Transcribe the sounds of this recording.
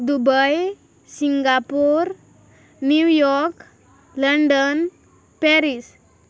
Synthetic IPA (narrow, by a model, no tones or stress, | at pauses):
d̪ubəj | siŋɡapuɾ | njujɔɾk | ləɳɖən | pɛɾis